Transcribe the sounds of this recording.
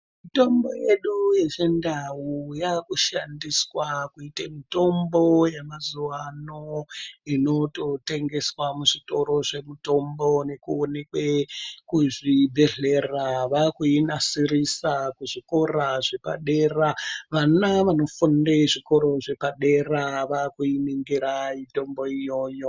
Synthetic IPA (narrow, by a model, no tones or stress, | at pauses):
mito̞mbo̞̰je̞ɗuje̞ʐe̞ndawujakuʃandiswakuitamito̞mbo̞jemazuwano̞ino̞to̞te̞ŋɡe̞swamuʐito̞ɾo̞ʐe̞muto̞mbo̞ne̞kuone̞kwekuʐibʱe̞ɮe̞raʋakuinasirisakuʐiko̞raʐe̞pa̰ɗe̞ːraʋanaʋano̞fundeʐiko̞ɾo̞ʐe̞paɗe̞raʋakuiniŋɡiɾaito̞mbo̞ijo̞ːjo̞